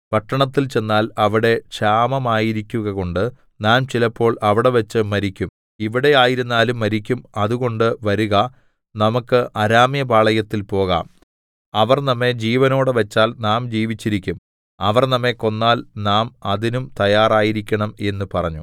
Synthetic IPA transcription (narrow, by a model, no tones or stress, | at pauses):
pɐʈːɐɳɐt̪ːilt͡ɕe̞nːaːlɐʋiɽe̞ʂaːmɐmaːjiɾikʲːuɣɐɣo̞ɳɖɨ | naːmt͡ɕilɐpːo̞ːɭɐʋiɽe̞ʋɐt͡ɕːɨmɐɾikʲːum | iʋiɽe̞aːjiɾunːaːlumːɐɾikʲːumɐðuɣo̞ɳɖɨʋɐɾuɣɐ | nɐmukːɨʔɐɾaːmjɐbaːɭɐjɐt̪ːilpo̞ːɣa̰ːm | ɐʋɐrnɐmːe̞d͡ʑiːʋɐno̞ːɽɨʋɐt͡ɕːaːlnaːmd͡ʑiːʋit͡ɕːiɾikʲːum | ɐʋɐrnɐmːe̞ko̞nːaːlnaːmɐðinumt̪ɐjaːraːjiɾikʲːɐɳɐme̞nːupɐrɐɲːṵ